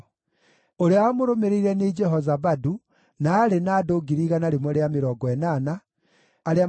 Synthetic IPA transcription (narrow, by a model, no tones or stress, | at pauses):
oɾeaamoɾomeɾeiɾɛned͡ʒɛɦɔzaβadu | naːɾenaːdoːɡiɾiːɣanaɾemɔɾeameɾɔɡɔɛnanaː | ɾea